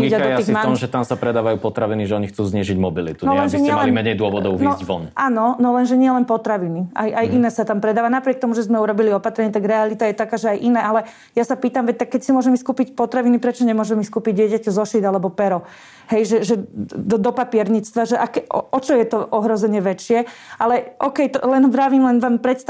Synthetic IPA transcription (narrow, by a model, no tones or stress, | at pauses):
iɟaɔiːsɣimaɔmʒɛt̪amsapɾɛd̪aːʋajuːpɔt̪ɾaʋiniʒɛɔɲixt͡suːzɲɪɛʒiɟmɔbilḭt̪unɔlɛnʒɛɲɪɛmaɛliimɛɲɛjd̪ʊɔʋɔd̪ɔʊvnɔʋɔ̰nʔaːnɔnɔlɛnʒɛɲɪɛlɛnpɔt̪ɾaʋinia̰jajʔinɛːsat̪ampɾɛd̪aːʋanapɾɪɛk̚t̪ɔmuʒɛzmɛuɾɔbiliɔpat̪ɾɛɲɪat̪aɡɾɛalit̪ajɛt̪akaːʒɛajʔinɛːʔalɛ | jasapiːt̪amʋɛc̚t̪akːɛcsimʊɔʒɛmiskuːpicpɔt̪ɾaʋinipɾɛt͡ʃɔɲɛmʊɔʒɛmiskuːpiɟdɪɛcacɛzɔʃid̪alɛbɔpɛɾɔ | ɦɛjʒɛʒɛd̪ɔd̪ɔpapɪɛɾɲit͡st̪ʋaʒɛʔakɛɔɔt͡ʃɔjɛt̪ɔʔɔɦɾɔzɛɲɛʋɛt͡ʃɪɛʔalɛʔɔkɛjt̪ɔlɛnʋɾaʋiːmlɛnʋampɾɛt̪s